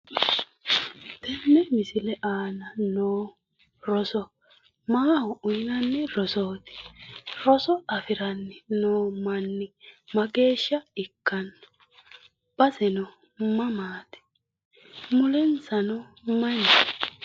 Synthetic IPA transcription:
d̪̥ɛnːɛmɪsɪlɛʔaːnɐnoː | ɾɔsɔ | maːhɔʊnɐnːɪɾɔsoːt̪ɪ̥ɾɔsɔɐfɪɾɐnːɪnoːmɐnːɪmɐɡe̞ːʃːɐɪkːɐn | b̥ɐsɛnɔ | mɐmaːt̪ɪ̥ | mʊlɛnsɐnɔ | mɐnɪ

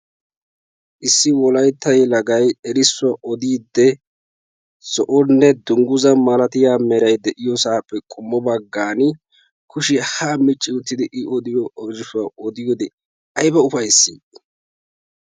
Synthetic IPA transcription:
ʔɪsːɪwɔlɐjt̪ːɐjlɐɡɐjɛɾɪsːʊwaʔɔd̪iːd̪ːɛ | sɔʔɔnːɛd̪ʊŋɡʊzɐmɐlɐt̪ɪjaːmɛɾɐjd̪ɛʔɪjɔsaːpʼːɛkʼʊmːɔbɐɡːaːnɪ | kʰʊʃɪhamɪt͡ʃʼːɪʊt̪ːɪd̪ɪʔɪʔɔd̪ɪjɔɔd͡ʒɪʃʊwaɔd̪ɪjɔd̪ɛ | ɐjbɐʊfɐjsːḭː

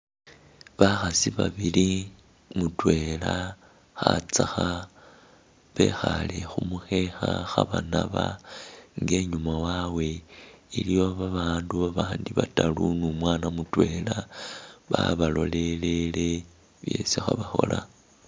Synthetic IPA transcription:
βaxasiβaβili | mutwe̞la | xat͡saxa | βe̞̰xalexumuxe̞xaxaβanaβa | ŋɡe̞ɲumawawe̞ilijo̞βaβaːnduβaβaːndiβatalunumwaːnamutwe̞laβaβalo̞le̞le̞le̞ | βje̞sixaβaxo̞la

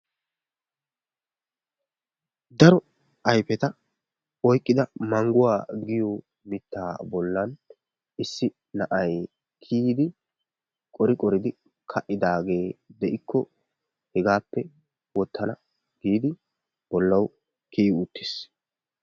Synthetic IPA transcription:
d̪ɐɾɔ | ɐjpɛt̪ɐ | ɔjkʼːɪd̪ɐmɐŋɡʊwaːɡɪjo | mɪt̪ːa̰ːbɔlːɐn | ʔɪsːɪ | nɐʔɐj | kʰiːd̪ɪ | kʼɔɾɪkʼɔɾɪd̪ɪ | kʰɐʔɪd̪aːɡe̞ːd̪ɛʔɪkʰːɔ | hɛɡaːpːɛ | wɔt̪ʰːɐnɐ | ɡ̥iːd̪ɪ | b̥ɔlːɐw | kiːʊt̪ːe̥ːs

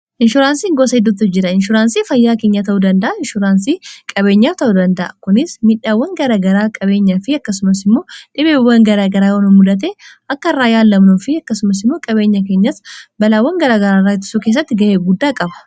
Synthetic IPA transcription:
ʔɪnʃʊɾaːnsiːŋɡoːsɐɛd̪ːʊt̪ːʊd͡ʒɪɾɐɪnʃʊɾaːnsiːfɐjːaːke̞ːɲːat̪ɐʔuːd̪ɐnd̪ɐʔɐɪnʃʊɾaːnsiːkʼɐbe̞ːɲːaːft̪ɐʔuːd̪ɐnd̪ɐʔɐkʊnɪsmɪᶑaːwːɐŋɡɐɾaːɡɐɾaːkʼɐbe̞ːɲːafɪɐkːɐsʊmɐsɪmːo̞ːᶑɪbeːwːɐŋɡɐɾaːɡɐɾaːjɐnʊmʊᶑɐt̪̬eːɐkːɐɪrːaːjaːlːɐmnoːfɪɐkːɐsʊmɐs̬ɪmːoːkʼɐbe̞ːɲːɐke̞ːɲːɐsbɐlaːwːɐŋɡɐɾaːɡɐɾaːrːaːɪt̪ʊ̥sukeːs̬ːɐt̪ːɪɡɐʔeːɡʊd̪ːaːkʼɐbɐ̥

